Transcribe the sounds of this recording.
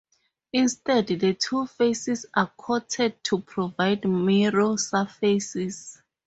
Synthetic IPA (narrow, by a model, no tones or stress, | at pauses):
ĩnstɛddətʰufesisakʰɔtʰɛd̚tʰupʰɹɔvajdmiɹosafesis